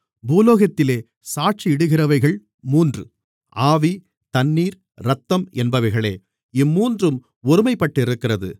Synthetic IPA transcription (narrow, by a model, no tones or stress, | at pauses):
buːloːɣɐt̪ːɪleː | saːʈ̚t͡ʃiɪɽɯɣɪrɐʋɐɪɣɐɭ | muːndrɯ | ʔaːʋi | t̪ɐnːiːɾ | ɾɐt̪ːɐmɛnbɐʋɐɪɣɐɭḛː | ɪmːuːndrɯm | ʊɾɯmɐɪpːɐʈːɪɾɯkːɪrɐðɯ̰